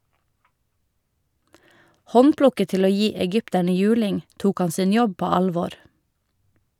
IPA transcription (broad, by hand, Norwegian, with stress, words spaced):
ˈhɔnˌpɽʊkət ˈtɪl ˈoː ˈjiː ɛˈɡʏptæɳə ˈjʉːlɪŋ ˈtuːk ˈɑn ˈsɪn ˈjɔb ˈpoː ˈɑlˌʋoːɾ